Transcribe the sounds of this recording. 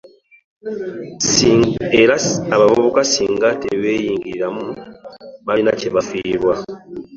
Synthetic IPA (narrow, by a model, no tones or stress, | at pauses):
eɾaaβaβuβukasiːŋɡatḛβejiːŋɡiɾiɾamu | βainaceβafiːɾwa